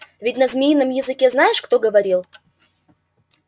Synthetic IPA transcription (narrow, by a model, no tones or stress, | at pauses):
vʲɪtʲnɐzmʲijnːəmjɪzɨkʲeznajɪʂkt̪o̞ɡəvɐɾʲilˠ